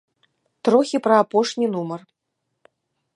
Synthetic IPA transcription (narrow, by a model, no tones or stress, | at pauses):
t̪ɾɔxʲipɾɐapɔʂnʲinumɐr